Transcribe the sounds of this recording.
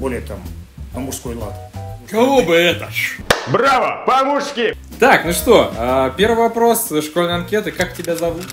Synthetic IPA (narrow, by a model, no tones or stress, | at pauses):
bolʲɪjət̪a̰mɐmurskojlˠa̰t̪kaobɨɛt̪əbɾavə̰pɐmuʂkʲɪ | t̪aknuʂt̪o̞əpʲe̞rvɨjvɐpɾo̞sʂkolʲnəjɐnkʲet̪ɨkaktʲɪbʲazɐvut̪